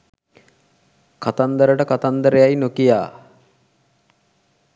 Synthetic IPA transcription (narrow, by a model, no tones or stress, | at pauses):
kat̪and̪əɾəʈəkat̪and̪əɾejajnokijaː